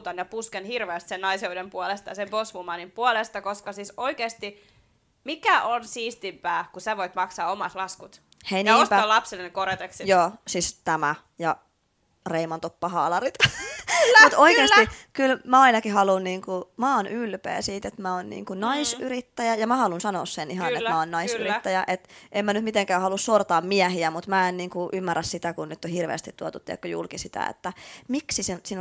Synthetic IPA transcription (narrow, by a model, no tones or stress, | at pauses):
t̪ɑnjɑpuskenhirʋeːst̪sennɑiseudempuolest̪ɑ̰jɑsemposʋumɑnimpuolest̪ɑkoskɑsisoikeːst̪i | mikæʔonsiːst̪impæːkusæʋoit̪mɑksɑːomɑt̪lɑskut̪ | heinːostpæɑlɑpsilːenekoɾet̪eksijoːsist̪æmæ | jɑ | reimɑnt̪opːɑɦɑːlɑɾit̪ | mut̪oikeːst̪ikylmæɑinɑkihɑlunniːŋkumɑːnʔylpḛːsiːt̪et̪mæonnḭːŋkunɑisyɾit̪ːæjæjɑmæhɑlunsɑnoːssenihɑnet̪mæonnɑisyrit̪ːæjæʔet̪ʔemmænyt̪mit̪eŋkæːhɑlussort̪ɑːmmiæhiæmut̪mæenniːŋkuʔymːærːæssit̪ækunnyt̪ːohirʋḛːst̪it̪t̪uot̪ut̪ːiæ̰kːøjṵlkisit̪æ̰ḛt̪ːæmiksisensin